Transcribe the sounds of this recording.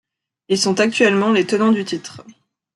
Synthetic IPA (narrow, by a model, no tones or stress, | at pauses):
ilsɔ̃t̪ak̚t̪ɥɛlmɑ̃let̪ənɑ̃d̪yt̪it̪χ